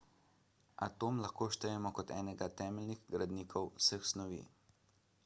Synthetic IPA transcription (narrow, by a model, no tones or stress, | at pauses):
at̪oːmlaxkoːʃt̪əjɛmɔkɔt̪ɛ̰ːnɛɡat̪ɛːmɛlniɣɡɾad̪niːkʰɔwsəxsnɔʋḭː